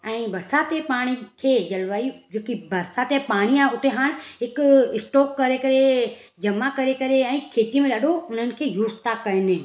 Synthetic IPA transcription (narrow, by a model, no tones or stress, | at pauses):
ɛ̃ːbɐɾsat̪epaːɽ̃ikʰed͡ʒɐlʋaːid͡ʒoːkibɐɾsat̪epaːɽ̃iaːʊt̪ʰeɦaːɽ̃ɦɪkɪsʈɔːkːɐɾekɐɾe | d͡ʒɐmakɐɾekɐɾeɛ̃ːkʰeːt̪imẽɗəɗoʊn̤ənɪ̆kʰejuːst̪akɐɪnẽ